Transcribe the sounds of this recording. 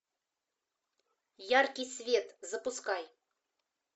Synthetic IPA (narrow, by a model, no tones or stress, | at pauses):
jarkʲijsʲvʲet̪zəpuskɑj